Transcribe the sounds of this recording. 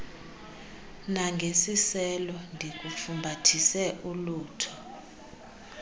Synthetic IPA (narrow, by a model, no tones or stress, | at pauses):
naŋɡʱesisɛlɔndʱik̬ʼufumbʱatʰisɛʔuluːtʰɔ